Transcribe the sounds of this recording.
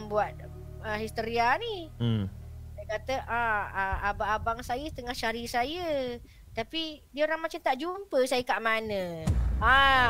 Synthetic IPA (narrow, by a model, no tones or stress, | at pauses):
buat̪̚ | əɦist̪əɾiani | sajəkat̪əʔaəabaʔːbaŋsajəst̪əŋahʃaɾisajə | t̪apidiəoɾaŋmat͡ʃamt̪aʔd͡ʒumpəsajəkaʔmanə̃a